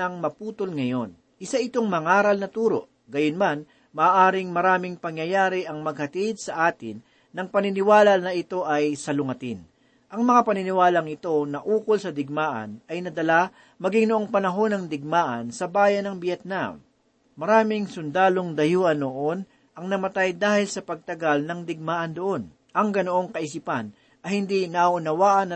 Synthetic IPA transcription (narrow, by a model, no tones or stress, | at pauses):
ɐŋmɐpuːt̪olŋɐjo̞n | ʔɪsaʔɪt̪o̞ŋmɐŋaːɾɐlnɐt̪uːɾo̞̰ʔ | ɡɐjonman | mɐːʔaːɾɪŋmɐɾaːmɪŋpɐŋjɐjaːɾɪʔɐŋmɐɡ̚hɐt̪id̪̚sɐʔaːt̪ɪnː | ɐŋpɐnɪnɪwaːlɐnɐʔɪt̪o̞ʔɐjsɐlʊŋɐt̪ɪn | ʔɐŋmɐŋapɐnɪnɪwaːlɐŋɪt̪o̞nɐʔuːkolsɐd̪ɪɡ̚maːʔɐ̰nɐjnɐd̪ɐla | mɐɡɪŋnoʔo̞ŋpɐnɐɦo̞nɐŋd̪ɪɡ̚maːʔɐnsɐbaːjɐnɐŋbjɛt̪̚namː | ɐɾaːmɪŋsʊnd̪aːlo̞ŋd̪ɐjuːʔɐnoʔon | ʔɐŋnɐmɐt̪ajd̪aːhɪlsɐpɐɡ̚t̪ɐɡalnɐŋd̪ɪɡ̚maːʔɐnd̪oʔo̞n | ʔɐŋɡɐnoʔo̞ŋkɐʔɪs̬ipɐn | ɐhɪnd̪inɐʔaʔʊnɐwaːʔɐnːɐ